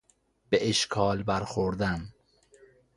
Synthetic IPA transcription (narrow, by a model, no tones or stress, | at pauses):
b̥eʔeʃkʰɒːlbæɾxoɾd̪æn